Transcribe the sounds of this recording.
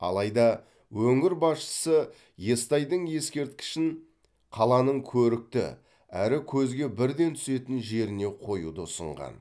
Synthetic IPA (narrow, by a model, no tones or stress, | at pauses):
ɑ̰lˠɑjd̪ɑ | wɵŋɪɾbɑsʃə̥sə | je̞st̪ɑjd̪əɴje̞skʲe̞ɾt̪̚kʲɪ̥ʃɪn | qʰɑlˠɑnəɴkʲʰɵɾɪk̚t̪ɪ̰ | æɾɪkʲʰɵzɡʲe̞bɪɾd̪e̞nt̪ʰʏ̥se̞t̪ɪnʒe̞ɾɪne̞qʰo̞jud̪əsə̰ɴʁɑ̰n